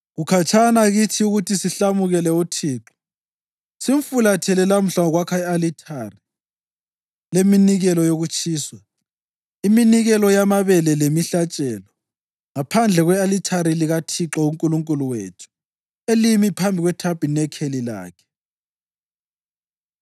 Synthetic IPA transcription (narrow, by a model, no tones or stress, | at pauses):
ɣukʰat͡ʃʰanaɣitʰiuɣutʰisiɬamuɣɛlɛutʰiːǁɔ̥ | sim̩fulatʰɛlɛlam̩ɬaɔɣwakʰaɛalitʰari | leminiɣɛlɔjoɣut͡ʃʼʰiːswa | iminiɣɛlɔjamaβɛlɛlemiɬat͡ʃʼɛlɔ | ŋapʰand͡ɮʱɛɣwɛalitʰaɾiliɣatʰiǁɔuŋkʼuluŋkʼuluwḛːtʰu̥ | elimipʰambʱiɣwɛtʰab̥ʼʱinɛkʰelila̰ːkʰɛ̥